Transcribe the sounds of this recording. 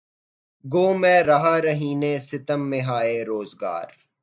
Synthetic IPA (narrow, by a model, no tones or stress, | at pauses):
ɡoːmẽːɾɐɦaːɾɐɦiːnẽːsɪt̪əmːeɦaːeɾoːzɡa̰ːɾ